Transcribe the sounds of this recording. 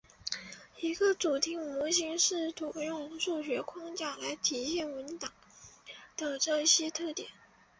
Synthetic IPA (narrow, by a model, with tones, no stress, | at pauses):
i˧˥ɡə˧t͡su˨˩t̪ʰi˧˥ŋmu˧˥ɕ̬i˧˥ŋʂɻ̩˥˩t̪ʰu˨˩jʊ˥˧ŋʂu˥˩ɕ̬ɥɛ˧˥kʰwɑ˥ŋt͡ɕja˥˩la˧˥ɪt̪ʰi˧˥ɕjɛ˥˩nwə˧˥nt̪ɑ˨˩˦ŋ | d̪̥ə˧ʈ͡ʂɤ˥˩ɕjɛ˥t̪ʰɤ˥˩t̪jɛ˨˩˦n